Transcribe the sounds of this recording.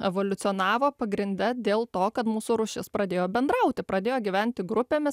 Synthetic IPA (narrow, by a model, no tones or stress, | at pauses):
ɛʋoːlʲʊt̪sʲɪoːnɑːʋoːpɐɡɾʲɪnʲd̪ʲɛd̪ʲeːlˠt̪oːkɐt̪muːsuːɾʊʃʲɪspɾɐd̪ʲeːjoːbʲɛnd̪ɾɐʊt̪ʲɪpɾɐd̪ʲeːjoːɡʲiʋʲænʲt̪ʲɪɡɾʊpʲeːmʲɪs